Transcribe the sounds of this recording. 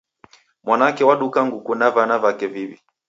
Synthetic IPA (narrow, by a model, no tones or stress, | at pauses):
mwanaakɛwaɗukaŋɡukunavanavakɛvivi